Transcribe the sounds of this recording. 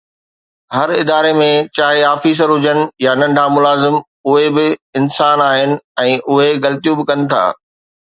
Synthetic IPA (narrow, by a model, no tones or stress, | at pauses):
ɦɐɾɪd̪aːɾemẽt͡ɕaːɦeaːfiːs̬əɾɦʊd͡ʑənɪ̆janɐ̃ɳɖʱamʊlaːzɪm | ʊɦebɪɪnsaːnaːɦɪnɪ̆ɛ̃ːʔʊɦeɣɐlt̪ijũbɪkɐ̃nɪ̆t̪ʰa̰ː